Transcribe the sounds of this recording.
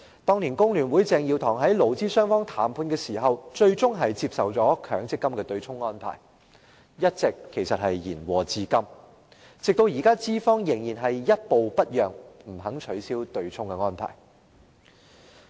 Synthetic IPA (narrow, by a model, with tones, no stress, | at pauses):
t̪ɔː˥ŋliː˨˩nkʊ˥ŋlyː˨˩nwuː˨˥jt͡sɛː˧ŋjiː˧wt̪ʰɔː˨˩ŋɦɐ˨˥jlo˨˩wt͡siː˥sœː˥ŋfɔː˥ŋt̪ʰaː˨˥˩mpʰuː˧nkɛː˧siː˨˩ɦɐ˨wt͡ʃɵ˧ɥt͡sʊ˥ŋɦɐ˨jt͡siː˧p̚sɐ˨wt͡sɔː˨˥kʰœː˨˥ŋt͡sɪ˥kːɐ˥mkɛː˧t̪ɵ˧ɥt͡sʰʊ˥ŋːɔː˥npʰa̰ː˨˩j | jɐ˥t̚t͡sɪ˨kʰːe˨˩jsɐ˨t̚hɐ˨jjiː˨˩nwɔː˨t͡siː˥kɐ˥m | t͡sɪ˨k̚t̪o˧wjiː˨˩kaː˥t͡siː˥fɔː˥ŋjɪ˨˩ŋjiː˨˩nɦɐ˨jjɐ˥t̚po˨˧wpɐ˥t̚jœː˨˩ŋm̩˨˩ɦɐ˨˥ŋt͡ʃʰɵ˨˥ɥsiː˥wt̪ɵ˧ɥt͡sʰʊ˥ŋkɛ˧ŋɔː˥npʰa̰ː˨˩j